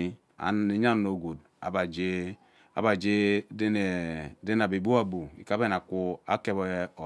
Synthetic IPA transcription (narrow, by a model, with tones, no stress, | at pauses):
a̰˨e˨ɲa˦˨no˨ɡo˨d̚ | a̰˨ba˨d͡ʒe˦ | a̰˨˦ba˨d͡ʒe˦dde˦n˨a˨bi˨bu˦a˦bu˨ḭ˨ka˦be˦n˨a˨ku˦a̰˦ke˦b